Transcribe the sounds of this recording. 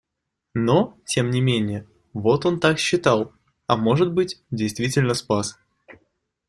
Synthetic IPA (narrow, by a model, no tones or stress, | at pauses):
notʲe̞mnʲɪmʲenʲɪjə | vo̞t̪o̞nt̪akɕːɪt̪alˠ | ɐmo̞ʐɨt̪̚bɨtʲdʲɪjst̪vʲitʲɪlʲnəspas